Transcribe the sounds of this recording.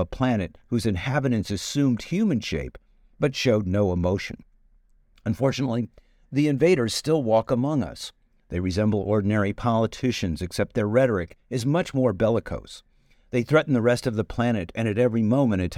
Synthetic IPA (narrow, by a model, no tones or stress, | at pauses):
əpʰl̥ænɨt̚hʉzɨ̃nhæbɨɾɨ̃nsɨsʉ̃md̥̚hjʉmɨ̃nʃḛɪp | b̥ʌtʃoʊdⁿnoʊəmoʊʃɨ̰̃n | ɨ̃ɱfɔɹt͡ʃɨnətˡli | ðiɨ̃ɱveɪɾə˞z̥stɪlˠwɔkəmʌ̃ŋʌ̰s | ðeɪɹɨzɛ̃mbl̩ˠʔɔɹdⁿn̩ɛɹipʰɑlˠətʰɪʃɨ̃nzɨksɛp̚t̪̚ðə˞ɹɛɾə˞ɨkɨzmʌt͡ʃmɔɹbɛlˠəkʰo̰ʊs | ðeɪθɹɛʔn̩ðɨɹɛstʌvðɨpʰl̥æɾ̃ɨɾɨ̃ñɨɾɛvɹimõʊ̃mɨ̃ɾ̃ɨtʰ